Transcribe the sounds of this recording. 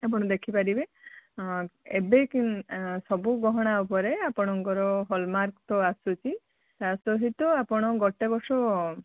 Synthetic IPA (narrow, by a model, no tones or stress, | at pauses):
apɔɽ̃ɔd̪ekʰipaɾibe | ḛbekinsɔbuɡɔɦɔɽ̃aupɔɾeapɔɽ̃ɔŋkɔɾɔɦɔlmaɾkt̪ɔasut͡ʃʰi | t̪asɔɦit̪ɔapɔɽ̃ɔɡɔʈebɔsɔ